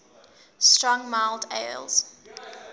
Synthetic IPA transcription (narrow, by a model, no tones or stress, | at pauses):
stɹɔ̃ŋmaɪlˠdḛɪlˠz̥